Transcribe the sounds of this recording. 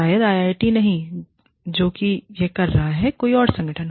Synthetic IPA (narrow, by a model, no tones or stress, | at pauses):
aːjəd̪aːjaːɪʈinɐɦĩ | d͡ʒoːkijekɐɾːɐɦaɦɛkoːiɔːɾsɐ̃ŋɡəʈʰənɦ